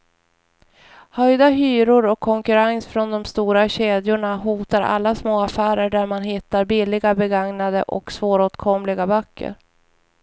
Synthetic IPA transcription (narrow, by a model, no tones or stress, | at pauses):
hœjd̪aɦyːɾʊɾɔkʰːɔŋkɵɾansfɾɔnd̪ɔmst̪uːɾaɕeːd̪jʊɳaɦuːt̪aɾʔa̰lːasmoːafæːɾəɖæɾmanɦɪt̪ːaɾbɪlːɪɡabɛɡaŋnad̪əʔɔ̰ksvoːɾoːt̪kʰɔmlɪɡabœkːə̰ɾ